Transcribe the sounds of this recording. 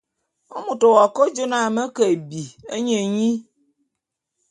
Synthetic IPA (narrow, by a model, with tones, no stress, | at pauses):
o˦mu˨to˨wa˨ko˦d͡ʒo˦na˦˨mə˦kə˨bi˨ḛ˦ɲe˨ɲi˦